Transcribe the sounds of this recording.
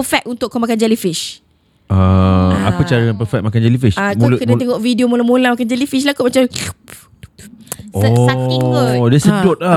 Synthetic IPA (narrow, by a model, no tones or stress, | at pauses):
əfɛk̪̚unt̪ʊʔkːomakand͡ʒalifiʃ | əa̰pət͡ʃaɾaanpəfɛt̚makand͡ʒalifiʃakmukənãt̪eŋɔʔvidiomolamolamakand͡ʒalifiʃlakuʔmat͡ʃam | ɔəaiŋədiasədɔt̪̚la